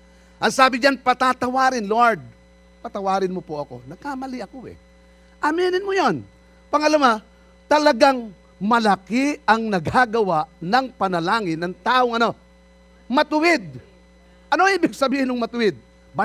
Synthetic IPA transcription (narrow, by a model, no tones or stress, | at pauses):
ʔɐŋsaːbɪd͡ʒanpɐt̪at̪ɐwaːɾɪnloɹd̪̚ | pɐt̪ɐwaːɾɪnmopoʔɐko̞nɐɡkamɐlɪʔɐkoʔɛ̰ | ʔɐmiːnɪnmojon | pɐŋɐlɐma | t̪ɐlɐɡaŋ | mɐlɐkɪɐŋnɐɡaɡɐwaʔnɐŋpɐnɐlaːŋɪnːɐŋt̪aːʔoŋɐno̞ | mɐt̪ʊwɪd̪̚ | ʔɐno̞iːbɪɡ̚sɐbiːhɪnʊŋmɐt̪ʊwɪd̪̚ | ba